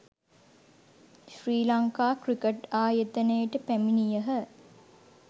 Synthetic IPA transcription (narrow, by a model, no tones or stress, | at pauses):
ʃriːlaŋkaːkrikəʈaːjet̪ənəjəʈəpæminijəɦə